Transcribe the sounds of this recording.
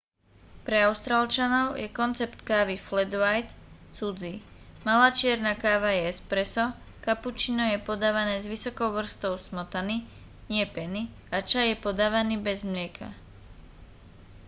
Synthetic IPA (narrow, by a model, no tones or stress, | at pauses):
pɾɛaʊst̪ɾaːlt͡ʃanɔʊjɛkɔnt͡sɛpt̪kaːʋiflɛd̪ʋajt̪ | t͡sud͡zi | malaːt͡ʃɪɛɾnakaːʋajɛɛspɾɛsɔ | kaput͡ʃinɔjɛpɔd̪aːʋanɛːzʋisɔkɔʊʋr̩st̪ɔʊsmɔt̪ani | ɲɪɛpɛni | at͡ʃajɛpɔd̪aːʋaniːbɛzmlɪɛkʰa̰